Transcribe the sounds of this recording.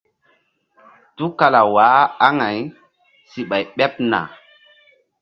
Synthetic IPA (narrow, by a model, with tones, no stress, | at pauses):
tu˦ka˨la˨waː˨˦a˦ŋa˨j | si˨ɓa˨jɓɛ˦p̚na̰˨